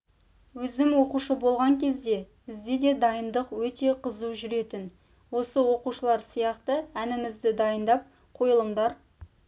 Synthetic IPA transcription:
wɵzɪmwo̞quʃəbo̞lˠʁɑŋkʲʰe̞zd̪e̞b̥ɪzd̪e̞d̪e̞d̪ɑjənd̪əqwɵt̪e̞qʰəzuʒʏɾe̞t̪ɪn | wo̞səwo̞quʃəlˠɑɾsijɑqt̪əænɪmɪzd̪ɪd̪ɑjənd̪ɑp̚ | qʰo̞jəlˠəɴd̪ɑɾ

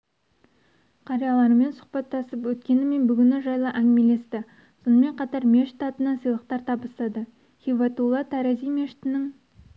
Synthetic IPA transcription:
qʰɑɾijɑlˠɑɾəme̞nsʊ̥χqpɑt̪ːɑsəpwɵt̪kʲe̞nɪme̞nbʏɡʲɪnɪʒɑjlˠəʔæŋʲɪmele̞st̪ɪ | sonəme̞ɴqʰɑt̪ɑɾmʲe̞ʃt̪ːɑt̪ənɑnsəjlˠəq̚t̪ɑɾt̪ʰɑbəst̪ɑd̪ə | χʲivɑt̪ulˠɑt̪ʰæɾazijmeʃt̪ɪnɪŋ

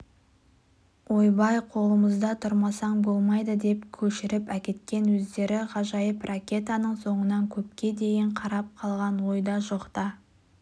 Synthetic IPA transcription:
wo̞jbɑjqʰo̞lˠəməzd̪ɑt̪ʰʊɾmɑsɑɴbo̞lˠmɑjd̪əd̪e̞pkʲʰɵʃɪɾɪpækʲe̞t̪̚kʲe̞nwɵzd̪e̞ɾɪʁɑʒɑjəprʔakʲe̞t̪anəɴso̞ɴənɑŋkʲʰɵpkʲe̞d̪e̞jɪɴqʰɑɾɑp̚qʰɑlˠʁɑnwo̞jd̪ɑʒoqt̪ɑ

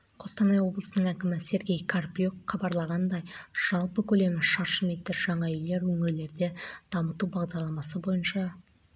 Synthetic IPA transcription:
qʰo̞st̪ɑnɑjwo̞blˠəsənəɴækʲɪmɪse̞ɾɡʲe̞jkʰarpijokχɑbɑɾlˠɑʁɑnd̪ɑjʒ̥ɑlˠpəkʲʰɵle̞mɪʃɑɾʃəmet̪ːɪɾʒɑɴɑʏjle̞ɾwɵŋɪɾle̞ɾd̪e̞d̪̥ɑmət̪ubɑʁd̪ɑɾlˠɑmɑsəbo̞jənʃɑ

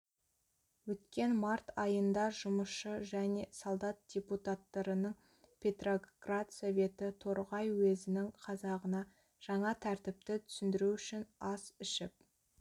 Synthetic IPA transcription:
wɵt̪kʲe̞nmɑɾt̪ɑjənd̪ɑʒʊməsʃəʒæne̞solˠd̪ɑt̪̚d̥ʲe̞put̪at̪ːɑɾənəɴ | pʲʰe̞t̪ro̞ɡrat̪sovʲe̞t̪ɪt̪ʰoɾʁɑjwezɪnɪŋqʰɑzɑʁənɑ | ʒ̥ɑɴɑt̪ʰæɾt̪ɪp̚t̪ɪt̪ʰʏ̥sɪnd̪ɪɾuʏʃɪnɑsʏʃɪp̚

